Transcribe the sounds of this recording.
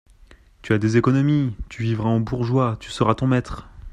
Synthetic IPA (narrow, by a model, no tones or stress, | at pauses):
t̪yad̪ezekɔnɔmit̪yvivʁaɑ̃buʁʒwat̪y̥səʁat̪ɔ̃mɛt̪χ